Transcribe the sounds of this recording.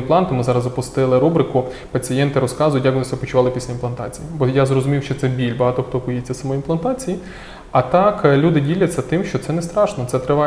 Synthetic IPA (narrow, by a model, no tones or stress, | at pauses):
nplˠɑnt̪ʊmɪzɑɾɐzɔpʊst̪ɪlˠɪɾubɾɪkʊ | pɐt͡sʲijɛnt̪ɪɾɔskɑzʊjʊt̬ʲjaɐkʋɔnɪsʲɔpɔt͡ʃʊʋɑlˠɪpʲisʲlʲɐinp̪lˠɐnt̪ɑ̰t͡sʲijibɔjazrɔzʊmʲiwʃt͡ʃɔtsɛbʲilʲbɐɦɑt̪ɔxt̪ɔkɔjet͡sʲːɐsɐmɔinplˠɐnt̪ɑt͡sʲiji | ɐt̪ɑklʲud̪ɪdʲilʲɐt͡sʲːɐt̪ɪmʃt͡ʃɔt̪sɛnɛst̪ɾɑʃnɔt̪sɛt̪ɾɪʋɑ